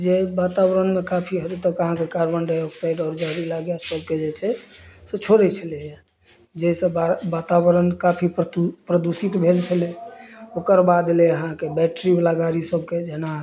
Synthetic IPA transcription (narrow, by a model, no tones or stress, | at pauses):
d͡ʒebat̪abəɾənmekapʰiɦəɾit̪əkəɦãkekaɾbənɖaɔksaiɖɔːɾd͡ʒaɾilaɡjasəb̚ked͡ʒet͡ʃʰɛset͡ʃʰoɾɛt͡ʃʰəlɛja | d͡ʒesə̃abat̪abəɾənkapʰippɾəd̪usit̪bʱelt͡ʃʰəleokəɾbad̪leəɦãkebɛʈɾiblaɡaɾisəbked͡ʒena